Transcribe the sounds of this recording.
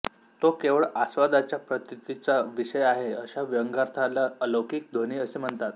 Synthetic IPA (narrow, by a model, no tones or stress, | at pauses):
t̪okeʋəɭasʋad̪at͡ɕjapɾət̪it̪it͡saʋiɕəjaɦeəɕaʋəŋɡaɾt̪ʰalaələwkiːk̚d̪ʱoniːəsem̤əɳt̪at̪